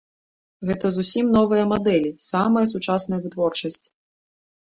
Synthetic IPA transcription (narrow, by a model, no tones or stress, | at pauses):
ɣɛt̪ɐzusʲimnɔvɨjɐmad̪ɛlʲisamɐjɐsut͡ʂasnɐjɐvɨt̪vɔrt͡ʂɐsʲt͡sʲ